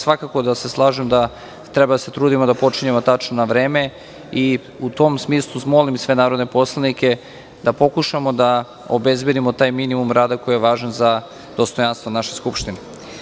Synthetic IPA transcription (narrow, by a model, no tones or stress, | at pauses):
sʋakako̞d̪ase̞slˠaːʒemd̪a | t̪ɾɛbad̪ase̞t̪ɾuːd̪imod̪apo̞t͡ʃiɲe̞mot̪at͡ʃnonaʋɾe̞ːme̞ | i | ut̪o̞msmiːslˠuzmolimsʋe̞naːɾod̪ne̞po̞slˠanike̞ | d̪apo̞kuʃamod̪a | obe̞zbje̞d̪imot̪aːjminimumɾaːd̪ako̞jijeʋaːʒanza | d̪̥o̞st̪o̞janst̪vonaʃe̞skupʃt̪ine